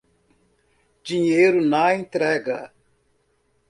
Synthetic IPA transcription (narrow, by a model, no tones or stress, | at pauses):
d͡ʒiɲejɾʊnɐẽnt̪ɾɛɡɐ̰